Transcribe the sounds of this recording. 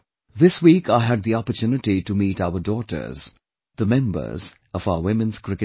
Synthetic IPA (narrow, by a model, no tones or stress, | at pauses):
ðɪswiːkaɪɦæd̪̚ðiɔpətʰjunɨʈiʈumiːʈaʊədɔːʈə̰˞z̥ | ð̥əmɛ̃mbə̰˞z | ʌvaʊəwɪ̃mɨ̃nz̥kʰɹɪkɨ